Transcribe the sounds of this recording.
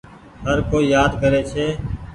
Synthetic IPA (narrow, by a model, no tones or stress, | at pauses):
ɦəɾkoːiːjaːd̪kəɾeːt͡ʃʰeː